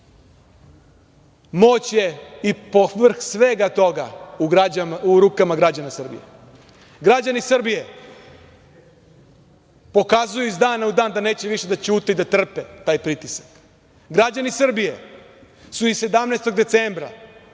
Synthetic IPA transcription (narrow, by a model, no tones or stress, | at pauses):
mo̞ːt͡ɕje̞ipoʋr̩xsʋe̞ɡat̪o̞ɡa̰uaauɾuːkamaɡɾad͡ʑanasr̩bḭjḛ | ɡɾad͡ʑanisr̩bije̞ | po̞kazujuizd̪aːnaud̪aːnd̪ane̞ːt͡ɕe̞ʋiʃe̞d̪at͡ɕuːt̪eid̪at̪r̩pet̪aːjpɾit̪isḁk | ɡɾad͡ʑanisr̩bije̞ | suise̞d̪amneːst̪o̞ɡd̪e̞t̪seːmbɾa̰